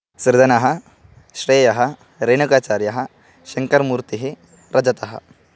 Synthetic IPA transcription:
sɾd̪ɐnɐɦɐ̆ | ʃɾeːjɐɦɐ | ɾeːɳukaːt͡ʃaːɾjɐɦɐ̆ | ʃɐŋkɐɾmuːɾt̪iɦi | ɾʔɐd͡ʒɐt̪ɐɦɐ̰

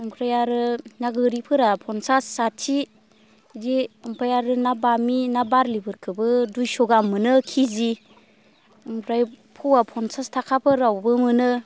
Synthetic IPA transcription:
ɔŋkʰɾajaɾɯnaɡɯɾipʰɯɾapʰɔnsasːatʰi | diɯmpʰajaɾɯnabaminabaɾlibɯɾkʰɯbɯdujsɔɡamːɯnɯkʰizi | ɯŋpʰɾaj | pʰuwapʰɔnsastʰakʰapʰɯɾawbɯmɯnɯ

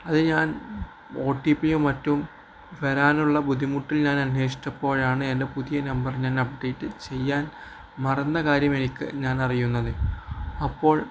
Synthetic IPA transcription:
ɐðɨɲaːn | o̞ːʈːiːpːijumɐtːum | ʋɐɾaːnuɭːɐbud̪ʱːimuʈːilɲaːnɐnːe̞ːʂi̥tːɐpːo̞ːɻaːɳɨe̞nde̞puðijɐnɐmbɐrɲaːnɐpɖe̞jʈːɨt͡ɕe̞jːaːn | mɐrɐnːɐkaːɾjɐme̞nikʲːɨ̰ɲaːnɐrijunːɐðɨɐpːo̞ːɭ

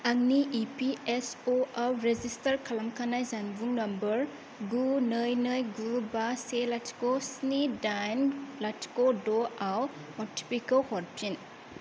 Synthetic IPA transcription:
ɐŋniʔipiesoawɾezistɐɾkʰɐlɐmkʰanajzanbuŋnɐmbɐɾ | ɡunɯjnɯjɡubaselatʰi̥kosnidajnlati̥kodoaw | mɔti̥pikɐlhoɾpʰin

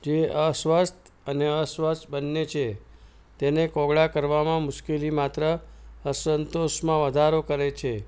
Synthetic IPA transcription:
d͡ʒeəsʋəst̪əneəsʋəst̪bənːet͡ʃʰe | t̪enekɔɡɭakəɾʋamãmʊʃkelimat̪ɾəəsənt̪oʃmãʋəd̪ʱaɾokəɾet͡ʃʰe

